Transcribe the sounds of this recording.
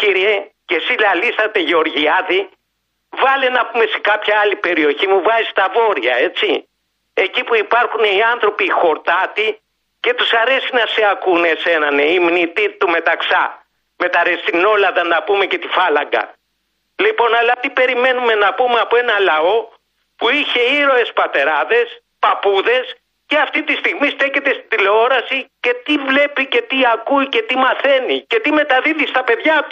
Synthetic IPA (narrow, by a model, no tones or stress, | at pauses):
ciɾiece̞silɐlisθɐt̪e̞ʝeo̞ɾʝiɐði | vɐlenɐpume̞se̥kɐpçɐɐlipe̞ɾio̞çimuvɐzist̪ɐvo̞ɾiɐ̰e̞t͡si | ecipuipɐɾxuneiɐnθɾo̞pixo̞ɾt̪ɐt̪i | ce̞t̪usɐɾe̞sinɐseɐkune̞se̞nɐneimnit̪it̪ume̞t̪ɐksɐ | me̞t̪ɐɾest̪ino̞lɐðɐnɐpume̞ce̞t̪ifɐlɐ̰ŋɡɐ̰ | lipo̞nɐlɐt̪ipe̞ɾime̞nume̞nɐpumeɐpoe̞nɐlɐo̞ | puiçe̞iɾo̞e̞spɐt̪e̞ɾɐðe̞s | pɐpuðe̞s | ceɐft̪it̪ist̪iɣmist̪e̞ce̞t̪e̞st̪id̪ileo̞ɾɐsice̞t̪ivle̞pice̞t̪iɐkuice̞t̪imɐθe̞nice̞t̪ime̞t̪ɐðiðist̪ɐpe̞ðʝɐt̪u̥